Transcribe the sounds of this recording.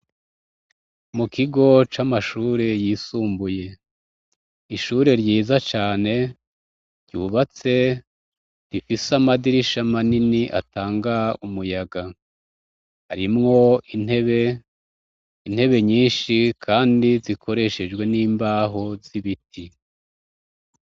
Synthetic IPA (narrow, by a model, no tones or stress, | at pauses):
mukiɡo̞t͡ʃamaʃuːɾe̞jiːsuːmbuje̞ | iʃuɾe̞ɾɟiːzat͡ʃaːne̞ | ɾɟuːβat͡se̞ | ɾifisamadiɾiʃamaniniʔa̰taːŋɡaumujaɡa | haɾimŋo̞in̥he̞βe̞ | in̥he̞βe̞ɲiːnʃikʰaːndizikʰo̞ɾe̞ʃe̞d͡ʒɡwe̞niːmbaːɦo̞ziβitʰi